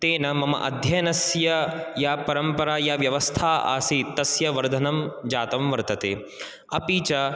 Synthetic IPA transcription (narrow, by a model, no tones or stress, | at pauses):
t̪eːnɐmɐmɐ̰ʔɐ̰d̪ʱjɐjnɐsjɐjaːpɐɾɐmpɐɾaːjaʋjɐʋɐst̪ʰaːa̰ːsit̪ɐsjɐʋɐɾd̪ʱɐnɐmd͡ʒaːt̪ɐmʋɐɾt̪ɐt̪eː | ɐpiːt͡ʃɐ